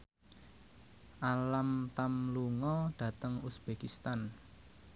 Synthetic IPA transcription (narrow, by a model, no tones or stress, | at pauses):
ʔalamt̪amluŋɔɖ̥ä̤t̪əŋusb̥ekist̪an